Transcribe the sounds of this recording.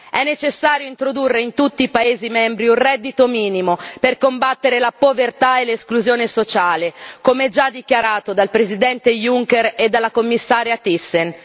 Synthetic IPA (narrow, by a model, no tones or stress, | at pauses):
ɛnːet͡ʃesːaːɾjoint̪ɾod̪urːeint̪ut̪ːiːpaeːzimɛmbɾiunrɛd̪ːit̪omiːnimoperkombat̪ːeɾelapovert̪aeleskluzjoːnesot͡ʃaːlekomeɛd͡ʒad̪ːikjaɾaːt̪od̪alpɾezid̪ɛnt̪ejuŋkeɾed̪alːakomːisːaːɾjat̪isːen